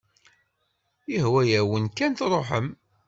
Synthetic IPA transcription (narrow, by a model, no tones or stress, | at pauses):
əhwæjæwənkænθɾˤoħəm